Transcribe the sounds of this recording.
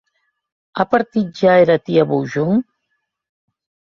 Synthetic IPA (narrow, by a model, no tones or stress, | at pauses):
apaɾt̪it̪̚d͡ʒaeɾat̪iaβowʒuŋ